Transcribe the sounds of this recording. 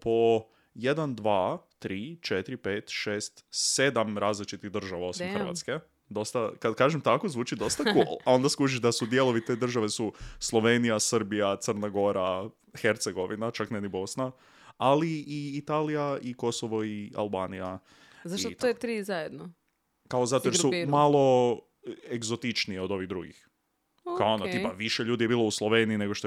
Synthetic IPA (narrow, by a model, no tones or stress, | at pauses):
pʰo̞ | je̞d̪and̪ʋaːt̪ɾiːt͡ʃet̪ɾipe̞ːt̪ʃe̞ːst̪sed̪amɾaːzlit͡ʃit̪iɣd̪r̩ʒaʋao̞simxɾʋa̰t̪ske̞ | d̪o̞st̪akad̪kaːʒemt̪akozʋuːt͡ʃid̪o̞st̪akulˠao̞nd̪askuʒiʒd̪asud̪je̞lo̞ʋit̪eːd̪r̩ʒaʋe̞suslˠo̞ʋenijasər̩bijat̪səɾnaɡo̞ɾa | xeɾt̪seɡo̞ʋinat͡ʃaknenibo̞sna | aliːit̪alijaiko̞soʋo̞ia̰lˠbaːnija | zait̪oet̪ɾiːzajed̪no | kaozat̪oojesumalˠo̞ | eɡzot̪it͡ʃnije̞o̞d̪o̞ʋiɣd̪ɾuɡḭx | kaoonnaiːpaʋiʃe̞ʎuːd̪ije̞biːlˠo̞uslˠoʋeniine̞ɡoʃt̪o